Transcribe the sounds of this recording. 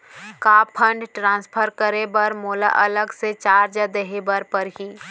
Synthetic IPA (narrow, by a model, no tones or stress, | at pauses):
kaːpʰə̃ɳɖʈɾãːnspʰəɾkəɾebəɾmoːla̰ʔɐləɡset͡ʃaːɾd͡ʒəd̪eɦebəɾpəɾɦiː